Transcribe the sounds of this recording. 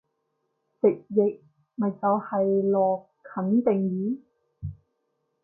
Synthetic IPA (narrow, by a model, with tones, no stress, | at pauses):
t͡sɪ˨˩k̚je˨˩k̚ | mɐ˨˩t͡sɐ˨˧whɐ˨jlɔː˨˩kʰːɐ˨˥nt̪e˨˩ŋjiː˨˥